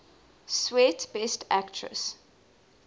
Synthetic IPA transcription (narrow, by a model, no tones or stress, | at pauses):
swɛtb̥ɛstʰæktʰɹə̰s